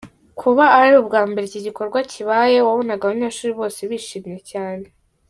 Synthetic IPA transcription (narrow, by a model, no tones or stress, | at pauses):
kʰuβaːɾiubɡaːmbe̞ɾeciɟiko̞ɾɡwaciβaːje̞waβo̞naɡaβaɲaːʃuːɾiβo̞ːse̞βiːʃiːmɲe̞caːne̞